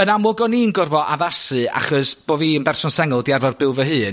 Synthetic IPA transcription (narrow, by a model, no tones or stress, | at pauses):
ənamʊɡɔninɡʊrvɔʔaðasɨa̰χɔsb̥oːviənbɛrsɔnsɛŋʊlˠdiarvɔrbɪlˠvəɦɨːn